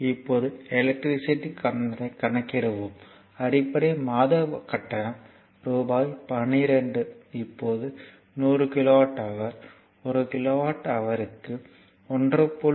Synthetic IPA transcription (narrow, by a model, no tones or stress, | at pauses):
ɪpːoːðɯɛlɛk̚ʈɾɪsɪʈːikɐnɾɐɪkːɐɳɐkːɪɾɐʋɯm | ɐrɪpːɐɽemaːðɐkɐʈːɐɳɐm | ɾuːbaːjpɐɳiɾɛɳɖɯɪpːoːðɯ | nuːrɯkɪloːʋaːʈːɐʋɐɾ | ɔɾɯkɪloːʋaːʈːɐʋɐɾɯkːɯ | ɔndrɯpːo